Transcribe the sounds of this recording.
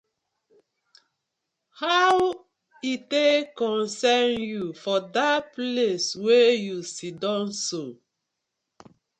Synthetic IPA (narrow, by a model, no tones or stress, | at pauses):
haw | itekɔ̃nsɛnjufɔdapleswejusidɔ̃nso